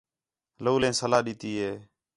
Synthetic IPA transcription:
loːlẽːsəlaːɗiːt̪iːɦeː

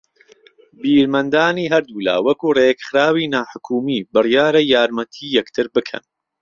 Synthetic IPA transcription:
biːɾmɐnd̪aːniːɦɐɾd̪uːla̰ːwɐkuːreːɡχɾaːwiːnaːħʊkʰuːmiːbɨrijaːɾɐjaːɾmɐt̪ʰiːjɛkt̪ʰɨɾbɨkʰɐ̰n

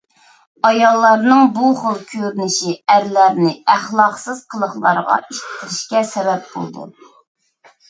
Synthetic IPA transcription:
ɑjɑlˠːɑɾnɨŋbuχəlˠkʲʰøɾynɪʃiæɾlæɾnɪæχlˠɑqsɨz̥qʰəlˠəχlˠɑ̰ɾʁɑ̰ʔiʃt̪ʰɪ̥t̪ʰɾɪʃkʲɛsɛbɛp̚bo̰lˠd̪ṵ

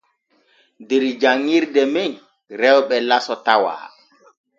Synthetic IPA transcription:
deɾid͡ʒaŋːiɾdɛmej | ɾɛwɓɛlasɔtawa̰ː

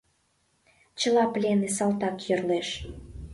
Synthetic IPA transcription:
t͡ɕə̆lɑplʲenesɑlt̪ɑkjørleʃ

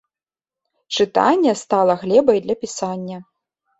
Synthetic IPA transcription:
t͡ʂɨt̪a̰nʲːɛst̪alˠɐɣlʲɛbɐjd̪lʲɐpʲisanʲːɐ

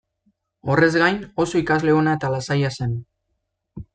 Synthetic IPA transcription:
o̞re̞zɡajno̞so̞ikazle̞o̞naet̪alasajase̞n

